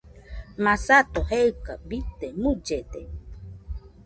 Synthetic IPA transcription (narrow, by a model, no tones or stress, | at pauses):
masat̪oheɨkabit̪emud͡ʒed̪e